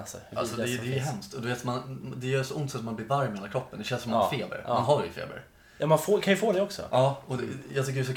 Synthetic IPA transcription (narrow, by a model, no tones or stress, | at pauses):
a̰lsɔd̪ɛd̪ɛjɦɛmst̪ɔd̪ɵveːt̪mand̪ɛjœːsɔʔʊnt̪sɛt̪sɔmanbliːɾvaɾmɛheːlakɾɔpːənd̪ɛʃɛnsʂɔmafeːbə̰ɾmanɦaɾɛfḛːbə̰ɾ | jɑmanfoːkʰanjʉfoːd̪ɛɔksɔ̰ʔɑːɔjɑɡt̪ʏk̬ːəɖɛs̬ɔ